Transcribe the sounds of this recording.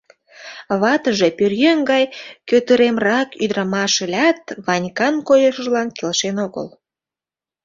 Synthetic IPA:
βɑt̪əʒe̽pyrjøŋɡɑjkøt̪əɾemrɑkyd̪ɾɑmɑʃelʲɑt̪βɑnʲkɑnkojəʃəʒlɑnkelʃenoɣə̰l

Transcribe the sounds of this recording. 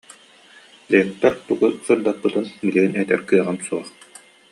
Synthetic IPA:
lek̚t̪ːɛɾt̪uɡusɯɾd̪apːɯt̪ɯnbiliɡinɛt̪ɛ̰ɾkɯɐʁansuɔχ

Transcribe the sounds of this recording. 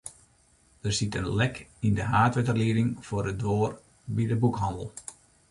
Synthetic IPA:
dərsitənlɛkɪndəɦaːtʋətərliədɪŋfʊːrədʋoːr | bidəbukɦɑndəlˠ

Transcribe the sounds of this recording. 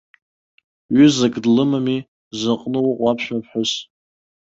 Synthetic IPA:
ɥʏzaɡʼdlɨmami | zaqʼnɨwʔʷʼapʰʃᶣmapʰħʊs

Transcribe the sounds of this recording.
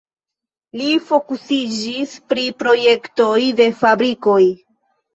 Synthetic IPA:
lifo̞kusid͡ʒispɾipɾo̞je̞kto̞jde̞fabɾiko̞j

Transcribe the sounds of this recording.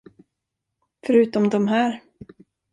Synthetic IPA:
fœɾʉ̟ːt̪ɔmd̪ɔmɦæːɾ

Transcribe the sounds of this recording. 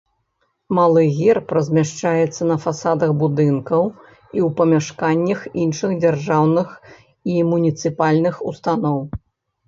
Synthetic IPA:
malˠɨɣʲɛrpɾɐzʲmʲaʂt͡ʂajɛt̪sːɐnɐfasad̪ɐɣbud̪ɨnkɐw | iwpɐmʲaʂkanʲːɐxinʂɨɣd͡zʲarʐawnɨx | imunʲit̪sɨpalʲnɨxust̪anɔw

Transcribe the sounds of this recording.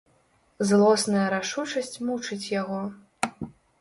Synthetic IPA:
zlˠɔsnɐjɐɾaʂut͡ʂɐsʲt͡sʲmut͡ʂɨt͡sʲjaɣɔ

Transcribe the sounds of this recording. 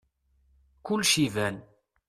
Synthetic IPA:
kʊlːʃivæn

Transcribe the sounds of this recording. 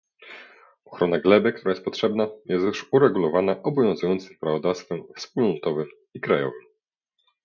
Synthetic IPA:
ɔxɾɔnaɡlɛbɘk̚t̪uɾajɛst̪̚pɔtʂɛbnajɛst̪ɛʂuɾɛɡulɔvanaʔɔbɔvʲjɔ̃ñzujɔnt̪sɘmpɾavɔd̪afst̪fɛmfspulnɔt̪ɔvɘm | ikɾajɔ̰vɘm

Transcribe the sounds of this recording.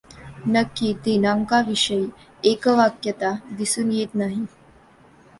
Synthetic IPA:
nəkːiːt̪inaŋkaʋiʂəi | ekəʋakjət̪ad̪isuːnjet̪naɦi

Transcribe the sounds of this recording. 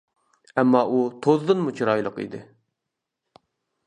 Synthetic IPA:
ɛmːɑʔut̪ʰozd̪ɨnmut͡ʃʰiɾɑjlˠəqḭd̪ɪ

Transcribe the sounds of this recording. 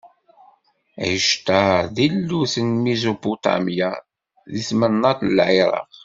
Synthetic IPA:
ʕəʃt̪əɾðilːuθənmezoput̪ɑ̰mja | ðismənːɑt̪əlʕɪɾˤɑ̰ʁ

